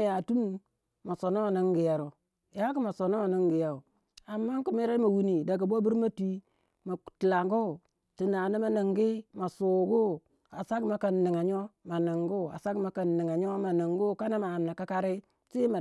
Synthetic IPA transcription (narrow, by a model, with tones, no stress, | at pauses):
ja˨tu˦m | ma˨so˨no˦a˨na˦ŋɡi˨ja˨ɾo˨ | ja˦ku˦ma˨so˨no˦a˨ni˦ŋɡi˨ja˨u˨ | a˨mːa˦ŋku˨mi˦ɾa˦ma˨wi˦ni˨da˨ɡa˨bo˦bu˦ɾma˦ti˦ | ma˨ti˨la˨ŋɡo˦˨ | ti˨na˨ni˦ma˨ni˨ŋɡi˦ma˨su˨ɡu˦ | a˨sa˦ɡma˨ka˨nːi˨ŋa˨ɲo˦ma˨ni˨ŋɡu˦a̰˨sa˦ɡma˨ka˨nːi˨ŋa˨ɲ˦o˦ma˨na˨ŋɡu˦˨˦ka˦na˦ma˨m˨na˨ka˦ka˦ɾi˦ | si˦ma˨